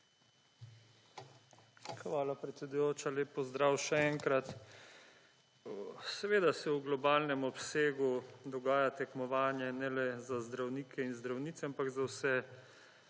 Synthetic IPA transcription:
xʋaːlapɾɛt̪sɛd̪ujoːt͡ʃaleːpːɔzd̪ɾaːwʃɛɛŋkɾat̪ | sɛʋeːd̪asɛuɡlɔbaːlnɛmɔpseːɡud̪ɔɡaːjat̪ɛkmɔʋaːnjɛnɛlɛzazd̪ɾawniːkʰɛinzd̪ɾawniːt̪sɛampaɡzawsɛ

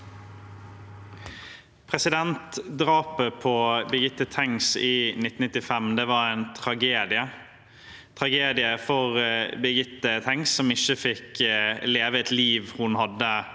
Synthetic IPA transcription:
pʰʁɛsɪd̪ɛnt̪d̪ʁɑːpəpʰɔbəɡɪt̪ːət̪ʰɛŋsiːnɪt̪n̩nɪt̪ːɪfɛmd̪ɛːʋɑɾæɪnt̪ʰʁɑɡeːd̪ɪə | t̪ʰʁɑɡeːd̪ɪəfɔʁbəɡɪt̪ːət̪ʰɛŋsːɔmɪçəfɪkleːʋəɛt̪liːʋhʊnhɑd̪ːə

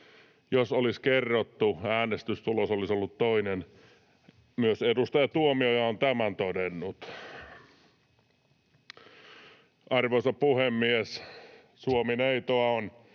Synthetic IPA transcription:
josoliskerːot̪ːuæːnest̪yst̪ulosolisolːut̪toinen | myøsedust̪ɑjɑt̪uomiojɑont̪æmænt̪odenːut̪ | ʔɑrʋosɑppuhemːies | suomineit̪oɑon

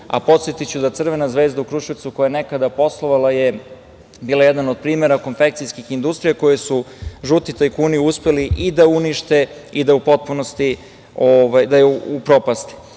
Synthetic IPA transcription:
a̰po̞t̪sjet̪it͡ɕud̪at̪sr̩ʋe̞nazʋe̞ːzd̪aukɾuʃiʋt̪sukojajne̞kad̪apo̞slˠo̞ʋalaje̞ | biːlojed̪nanod̪̚pɾiːmeɾako̞nfek̚t̪sijskixind̪ust̪ɾijako̞jesuʒut̪it̪ajkuːniuspe̞liʔid̪auniʃt̪e̞id̪aupo̞t̪̚puno̞st̪i | oʋajd̪ajeuupɾo̞past̪i̥

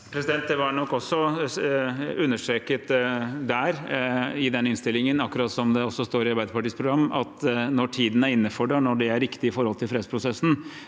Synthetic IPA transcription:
pʰɾɛsɪd̪ɛnt̪d̪ɛʋɑɾɳɔkːɔsːɔ | ʉnːəʂʈɾeːkət̪d̪æɾɪd̪ɛnːəɪnst̪ɪlːɪŋənɑkːʊɾɑːt̪sɔmd̪ɛɔsːɔst̪oːɾɪɑɾbæɪd̪əɾpɑʈiːspʰɾʊɡɾɑmːɑt̪nɔʈʰiːd̪ənæɾɪnːəfɔɖɛɳɔɖɛæɾɪkt̪ɪɪfɔɾhɔlt̪ʰɪlfɾeːd̪əspʰɾʊsɛsːn̩

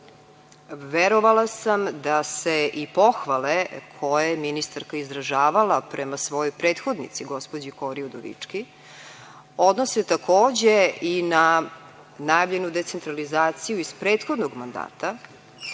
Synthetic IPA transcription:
ʋeɾoʋalˠasamd̪aseʔipo̞xʋalekʰo̞jeminist̪aɾkaizɾaʒaːʋalapɾʔemasʋo̞jojpɾeːt̪xo̞d̪nḭt̪siɡo̞spod͡ʑiko̞ɾiod̪oʋḭt͡ʂki | o̞d̪noset̪akʰoːd͡ʑeina | najavʎe̞nud̪e̞t̪se̞nt̪ɾalizaːt̪sijuizpɾeːt̪xo̞d̪noɡmand̪a̰ːt̪a

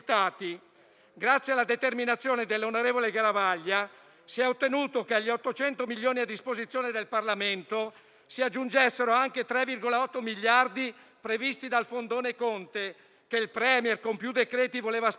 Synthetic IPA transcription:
t̪aːt̪i | ɡɾat̪sːjealad̪et̪erminat̪sːjoːned̪elːonoɾeːvoleɡaɾavaʎːa | siɛot̪ːenuːt̪okeaʎːiɔt̪ːot͡ʃɛnt̪omiʎːoːniad̪ːispozit̪sːjoːned̪elparlament̪o | siad͡ʒːund͡ʒɛsːeɾoaŋket̪ɾɛvirɡolaɔt̪ːomiʎːard̪i | pɾevist̪id̪alfond̪oːnekont̪e | keilpɾɛːmjɛrkompjud̪ekɾɛːt̪ivoleːvas

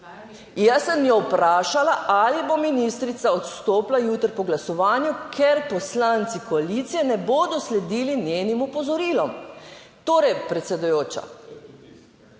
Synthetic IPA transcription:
jasənjowpɾaːʃalaʔalibominist̪ɾit̪saɔt̪st̪oːplajuːt̪əɾpɔɡlasɔʋaːnjukʰɛɾpɔslant̪sikɔalit̪sijɛnɛboːd̪ɔslɛd̪iːlinjeːnimupɔzɔɾiːlɔm | t̪oːɾɛjpɾɛt̪sɛd̪ujoːt͡ʃa̰

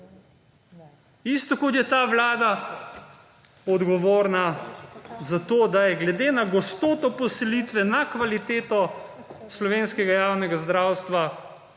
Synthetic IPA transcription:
ist̪ɔkot̪jɛt̪aːʋlaːd̪a | ɔd̪ɡɔʋoːɾna | zat̪oːd̪ajɛɡlɛd̪enaɡɔst̪oːt̪ɔpɔsɛlit̪ʋɛnakʋalit̪eːt̪ɔ | slɔʋenskɛɡajawnɛɡazd̪ɾawst̪ʋa

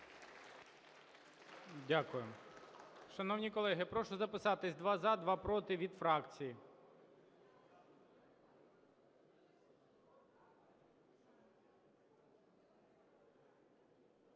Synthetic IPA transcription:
dʲakʊjʊm | ʃɐnɔwnʲikɔlˠɛɦɪpɾɔʃʊzɐpɪsɑt̪ɪsʲd̪ʋɑzɑd̪ʋɑpɾɔt̪ɪʋʲid̪fɾɑkt͡sʲiji

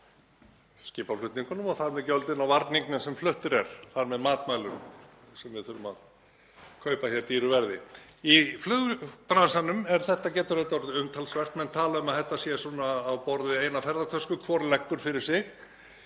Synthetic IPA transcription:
scɪːpaflʏht̪niŋkʏnʏmɔθaðɾmɛðcœlt̪ɪnawvaɾt̪niŋknasɛmflʏht̪ʏɾɛɾ̥θaɾmɛðmaːt̪maːjlʏm | sɛmvɪðθʏɾʏma̰ð | kʰœɥpaçjɛɾt̪iːɾʏvɛɾðɪiflʏːɣʏpɾansanʏmɛɾ̥θɛht̪ːacɛːt̪ʏɾœt̪ɔɾðʏmt̪ʰalsvɛr̥t̪mɛnt̪ʰaːlaʏmaðθɛht̪ːasjɛsuːnaːwpɔɾðɪeːjnafɛɾðat̪ʰœskʏkʰvɔɾlɛkːʏɾ̥fɪɾɪɾ̥sɪx

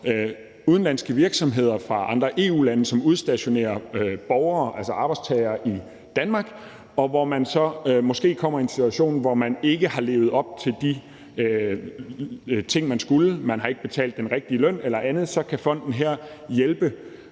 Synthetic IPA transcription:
uð̞ˠn̩læn̰sɡ̥əʋiɐɡ̥sɒ̽mɦe̝ð̞̰ˠɐfʁɑ̈ʔɑ̈nd̥ʁɐʔe̝̰ːṵːlænəsɒ̽muð̞ˠsd̥æɕo̝ne̝̰ːɐb̥ɒʊɐːʔælsəɑ̈b̥ɑ̈ɪdst͡sʰɛɪɐːʔi | d̥ænmɑ̈ːɡ̥ | ɒ̽ʋɒmænsɒ̽mɒ̽sɡ̥e̝̰ːkʰɒ̽m̰ɐe̝nsit͡sʰuæɕo̝̰ːnʋɒmæne̝ɡ̥əhɑ̈le̝̰ːʊð̞̩ˠɒ̽b̥̚t͡sʰe̝ld̥i | t͡sʰe̝ŋ̰mænsɡ̥uləmænɦɑ̈e̝ɡ̥əb̥e̝t͡sʰɛ̰ːld̥ːenʁɛɡ̥̚d̥iəlœn̰elɐʔænð̩ˠsɒ̽kʰæfɒ̽n̰d̥n̩ɦeɐ̰jelb̥ə

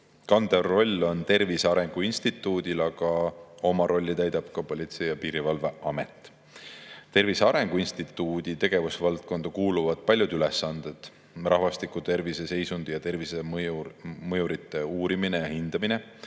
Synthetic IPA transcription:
kɑnd̪̥ero̞lʲːo̞nt̪e̞rviseɑɾe̞ŋɡ̥uinst̪it̪ˑːuːd̪̥ʲilɑɡ̥ɑo̞mɑɾo̞lʲːit̪æjd̪ɑb̥kɑpo̞lʲit̪se̞jɑpiːɾivɑlve̞ʔɑme̞t̪ːˑ | t̪e̞rviseɑɾe̞ŋɡ̥uinst̪it̪ˑːud̪̥it̪e̞ɡ̥e̞vusevɑlt̪̚ko̞nd̪̥ɑkuːluvɑd̪̥pɑlʲːjud̪ylesːɑnd̪̥ed̪̥ | rɑɦvɑst̪ikut̪e̞rvise̞se̞jsund̪̥jɑt̪e̞rvise | mɤjuɾit̪ːˑe̞uːɾiminejɑhind̪̥ɑmine̞

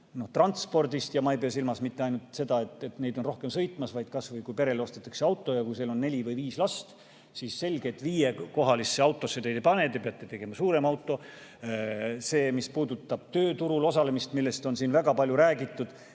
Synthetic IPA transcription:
no̞ht̪rɑnt̪spo̞rd̪ist̪jɑmɑejpeɑs̬ilmɑsmit̪ːe̞ɑjnult̪ˑse̞d̪ɑe̞t̪ːe̞t̪ne̞jd̪onro̞hke̞msɤ̞jt̪ːˑmɑsvɑjd̪̥kɑsvɤjkujpe̞ɾe̞leo̞st̪et̪ːˑɑ̥kse̞ɑwt̪ːˑo̞jɑkujseːlo̞nːe̞lʲivɤjviːslɑst̪ | siːsːe̞lʲɡ̥e̞t̪ːˑviːje̞ko̞ɦɑlisːe̞ɑwt̪ːˑo̞sːed̪ejd̪epɑne̞t̪epeɑt̪ːˑet̪e̞ɡ̥e̞mɑsuːɾe̞mɑwt̪ːˑo̞ | se̞ːmispuːd̪ut̪ːˑɑb̥̚t̪ø̞ːt̪uɾulo̞sɑle̞mist̪milːe̞st̪o̞nsiːnvæɡ̥ɑpɑlʲjuɾæːɡit̪ːˑud̪̥

